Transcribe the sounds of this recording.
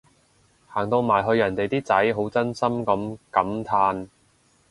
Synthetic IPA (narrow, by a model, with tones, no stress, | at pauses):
haː˨˩ŋt̪o˧wmaː˨˩jɦɵ˧ɥjɐ˨˩nt̪e˨jt̪iː˥t͡sɐ˨˥jɦo˨˥wt͡sɐ˥nsɐ˥mkɐ˨˥mkɐ˨˥mt̪ʰaː˧n